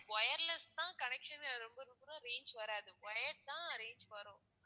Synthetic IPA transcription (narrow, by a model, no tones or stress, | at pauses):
ʋɐjɐɾlɐst̪ãːkɐnɛkʂɐnɾɔmbɐɾɔmbɐɾʊ̃ɾeːɲd͡ʒʋɐɾɛ̃ɐðɯʋɐjɐɖt̪ãːɐɾeːɲd͡ʒʋɐɾʊ̃ː